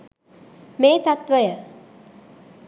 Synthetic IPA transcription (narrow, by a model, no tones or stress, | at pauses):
meːt̪at̪ʋəjə